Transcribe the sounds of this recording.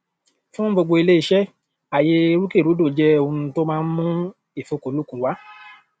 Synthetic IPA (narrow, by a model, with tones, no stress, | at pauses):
fũ˦ɡ͡bo˧ɡ͡bo˧i˧le˦i˦˧ʃɛ˦ | a˨je˧ɾu˦ke˦˨ɾu˨˦do˦˨d͡ʒɛ˦o˧nũ˧to˦mãː˦˧n̩˦mũ˦ | e˦˨fo˨˦ko˨˦lu˦kũ˨˧wa˨˦